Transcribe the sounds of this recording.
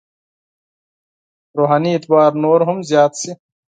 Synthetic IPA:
ɾoːɦaːniːt̪waːɾnoːɾɦumzjaːt̪si

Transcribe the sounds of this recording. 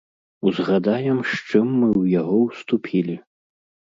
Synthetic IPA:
uzɣad̪ajɛmʂt͡ʂɨmːɨwjaɣɔwst̪upʲʰilʲi

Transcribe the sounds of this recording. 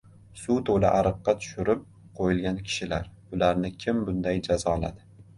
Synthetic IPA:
sʊt̪ʰola̰ʔaɾɨqːɑt̪ʰʊ̥ʃɪɾɪp̚ | qʰojɪlɡʲankʲʰɪ̥ʃɪlaɾ | ʊlaɾnɪkʲʰɪmbʊnd̪ajd͡ʒazɒːlˠa̰d̪ɪ

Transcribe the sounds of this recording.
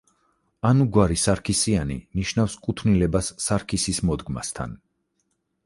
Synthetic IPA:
anuɡwaɾisaɾkʰisianḭniʃnafskʼut̪ʰnilɛbasːaɾkʰisismɔd̪ɡma̰st̪ʰa̰n

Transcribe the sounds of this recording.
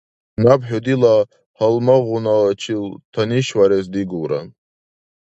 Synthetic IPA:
nabħɔd̪ila | halmaʁunat͡ʃʰilt̪ʰaniʃwaɾɛzd̪iɡuwɾa̰n

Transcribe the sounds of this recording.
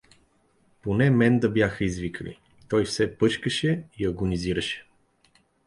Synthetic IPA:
ponɛmɛnd̪əbjaxəizvikəlḭ | t̪ɔjfsɛpɤt͡ʃkəʃɛiɐɡʊniziɾəʃɛ̥

